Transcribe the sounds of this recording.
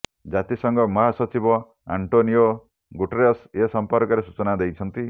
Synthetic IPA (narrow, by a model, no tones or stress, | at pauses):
d͡ʒat̪isʌŋɡɔmɔɦasɔt͡ʃibɔ | a̰ɳʈonio | ɡuʈeɾejɔsesɔmpɔɾkɔɾesut͡ʃɔnad̪ejt͡ʃʰʌnt̪i